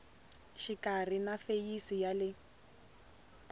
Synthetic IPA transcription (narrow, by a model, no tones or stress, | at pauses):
ʃikar̤inafejisijalɪ